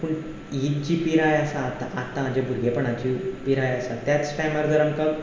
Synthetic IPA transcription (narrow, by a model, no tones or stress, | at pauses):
puɳ | jit̪̚t͡ɕiːpiɾajəsaːt̪aʔːt̪ːãːd͡ʑebʱuɾɡʱepəɳat͡ɕipiɾajəsat̪jat͡ssʈajmaɾd͡z̪əɾamkaɡ